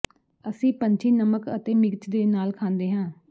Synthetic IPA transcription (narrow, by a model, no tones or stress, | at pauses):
əsĩːpəɲt͡ʃʰiːnəməkə̰t̪eːmɪɡt͡ʃd̪eːnaːlkʰãːnd̪eːɦãː